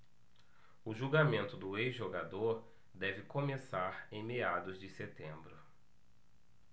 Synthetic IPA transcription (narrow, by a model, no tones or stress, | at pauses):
ʊʒuɡamẽnt̪ʊd̪ʊejzʒoɡad̪oɾ | d̪ɛvɪkomesaɾẽj̃mead̪ʊzd͡ʒɪset̪ẽmbɾʊ